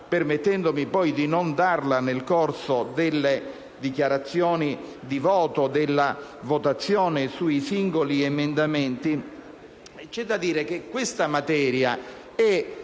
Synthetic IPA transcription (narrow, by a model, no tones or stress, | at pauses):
permet̪ːɛnd̪omipɔjd̪inond̪arlanelkorsod̪elːe | d̪ikjaɾat̪sːjɔːni | d̪ivɔːt̪od̪elːavot̪at̪sːjɔːnesuisiŋɡoliemend̪amɛnt̪i | t͡ʃɛd̪ːad̪iːɾek̟ekːwest̪amat̪ɛːɾja | ɛ